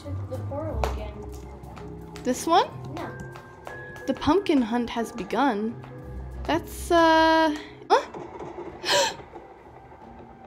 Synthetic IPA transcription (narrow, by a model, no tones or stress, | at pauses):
ðəfɔɹl̩ˠɡɛ̃n | ðɪswʌ̃nn | ðɨpʰʌ̃m̚kɨ̃nɦʌ̃nt̚hɨzbɨɡʌ̃n | ðætsʌ | ʌ